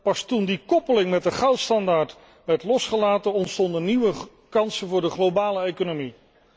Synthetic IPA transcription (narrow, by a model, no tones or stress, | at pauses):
pɑstundikɔpəlɪŋmɛt̚dəχɑwtstɑndaːɹt | ʋɛɹtlɔsχəlaːtəɔntstɔndəniʋə | kɑnsəvʊːɹdəχlowbaːləejkonomi